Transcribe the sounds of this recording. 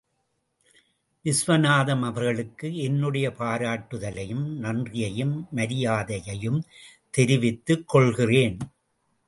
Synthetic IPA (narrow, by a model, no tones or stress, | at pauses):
ʋɪsʋɐnaːðɐmɐʋɐɾɣɐɭɯkːɯɛnːɯɽɐjɐpaːɾaːʈːɯðɐlɐjɯmnɐndrɪjɐjɯmːɐɾɪjaːðɐjɐjɯm | t̪ɛɾɪʋɪt̪ːɯkːɔɭɣɪreːn